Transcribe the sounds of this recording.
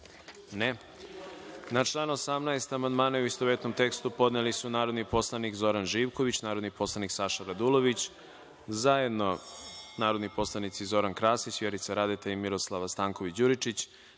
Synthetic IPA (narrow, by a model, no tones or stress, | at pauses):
ne | nat͡ʃlˠaːnosamnaest̪amand̪maːnauist̪oʋet̪no̞mt̪e̞kst̪upo̞d̪nelisunaːɾo̞d̪nipo̞slˠanikzo̞ɾanʒiːʋko̞ʋit͡ɕnaːɾod̪nipo̞slˠaniksaʃaɾad̪ulˠo̞ʋit͡ɕ | zajed̪no̞naːɾo̞d̪nipo̞slˠanit̪sizo̞ɾankɾaːsit͡ɕʋjeɾit̪saɾad̪et̪aimiɾo̞slˠaʋast̪aːŋkoʋit͡ɕd͡ʑuɾit͡ʃit͡ɕ